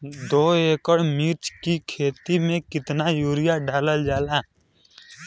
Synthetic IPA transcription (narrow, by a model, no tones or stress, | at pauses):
d̪oːeːkəɽmiːɾt͡ʃkikʰeːt̪imẽkɪt̪najuːɾɪjaɖʱaːləld͡ʒaːlaː